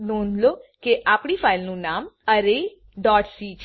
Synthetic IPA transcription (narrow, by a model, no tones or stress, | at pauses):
nõnʱlokeʔapɽifailnũnaməɾe | ɖɔʈsit͡ʃʰ